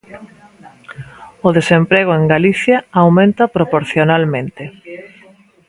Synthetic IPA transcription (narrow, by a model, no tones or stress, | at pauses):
ʊðesempɾeɣ̞oeŋɡaliθjaawmẽnt̪ɐpɾopoɾθjonalmẽnt̪e